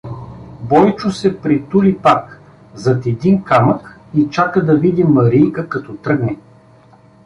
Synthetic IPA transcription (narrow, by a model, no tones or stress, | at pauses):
bɔjt͡ʃʊsɛpɾit̪ulipak | zɐt̪ɛd̪inkamək | it͡ʃakəd̪ɐvid̪ʲimɐɾijkəkɐt̪ɔt̪ɾɤɡnɛ